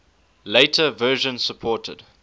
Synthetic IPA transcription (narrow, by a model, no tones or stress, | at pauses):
leɪtʰəvɜːʒə̃nsəpʰɔːˑtʰə̰d̥